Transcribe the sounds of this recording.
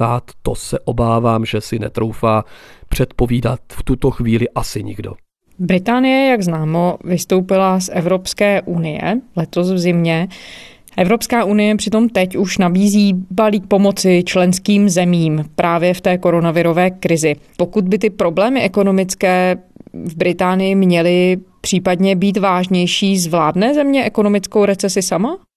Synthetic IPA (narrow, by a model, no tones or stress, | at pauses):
aːt̪ːosɛʔobaːvaːmʒɛsɪnɛt̪ɾowfaːpr̝̥ɛt̪po̞viːdat̪ft̪ut̪oxviːlɪʔasɪɲɪ̰ɡdo̞̰ | bɾɪt̪aːnɪjɛjaɡznaːmo̞vɪst̪o̞wpɪlasʔɛvɾo̞pskɛːʔunɪjɛ̰lɛt̪o̞svzɪmɲɛ | ʔɛvɾo̞pskaːʔunɪjɛpr̥ɪt̪o̞mt̪ɛcuʃnabiːziːbaliːk̚po̞mot͡sɪt͡ʃlɛnskiːmzɛmiːmpɾʔaːvjɛft̪ɛːko̞ɾo̞navɪɾo̞vɛːkɾɪzɪpo̞kud̪̚bɪt̪ɪpɾo̞blɛːmɪʔɛko̞no̞mɪt͡skɛːvbɾɪt̪aːnɪjɪmɲɛlɪpr̥iːpadɲɛbiːt̪vaːʒɲɛjʃiːzvlaːdnɛːzɛmɲɛʔɛko̞no̞mɪt͡skowɾɛt͡sɛsɪsama